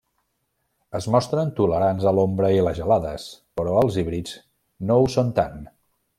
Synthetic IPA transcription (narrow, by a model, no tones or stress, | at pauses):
əzmɔst̪ɾənt̪uləɾanzəlombɾəiləzʒəlaðəspəɾɔəlˠziβɾiz | nousont̪an